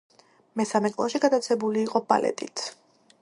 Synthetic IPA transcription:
mɛsamɛkʼlˠaʃiɡad̪at̪sʰɛbuliːqʼɔba̰lɛ̰t̪ʼit̪ʰ

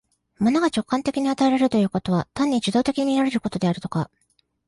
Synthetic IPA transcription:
manoɡat͡ɕo̞kːãnt̪e̞kʲiɲ̟iat̪aeɾaɾɯ̟t̪o̞jɯ̟ːko̞t̪o̞β̞at̪ãɲ̟ːid͡ʑɨd̪o̞ːt̪e̞kʲiɲ̟inaɾe̞ɾɯ̟ko̞t̪o̞d̪e̞aɾɯ̟t̪o̞ka

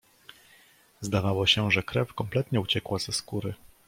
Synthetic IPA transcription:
zd̪avawɔɕɛʐɛkɾɛfkɔmplɛt̪ɲɛut͡ɕɛkwazɛskuɾɘ

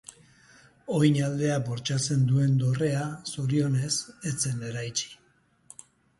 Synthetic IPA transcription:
o̞jɲald̪e̞aboɾt͡ʃat͡se̞nd̪ue̞nd̪o̞re̞asuɾio̞ne̞set͡se̞ne̞ɾajt͡ʃi̥

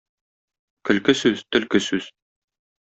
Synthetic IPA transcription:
kɵ̆lkɘsʉz̥t̪ɵ̆lkɘsʉz̥

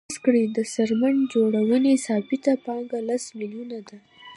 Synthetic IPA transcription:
skɽid̪əsaɾmand͡ʒoɽawənesɑbɪt̪apɑŋɡalasmiljunad̪a

